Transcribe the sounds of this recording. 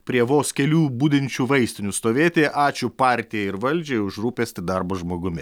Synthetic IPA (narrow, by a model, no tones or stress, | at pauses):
pʲɾʲiɛʋoːskʲɛlʲuːbuːd̪ʲɪnʲt͡ʃʲuːʋɐɪsʲt̪ʲɪnʲuːst̪oːʋʲeːt̪ʲeːʔɑːt͡ʃʲʊpɑːɾʲt̪ʲɪjɛɪɾʋɐlʲd͡ʒʲɛʊʒɾuːpʲesʲt̪ʲɪd̪ɑɾboːʒmoːɡʊmʲɪ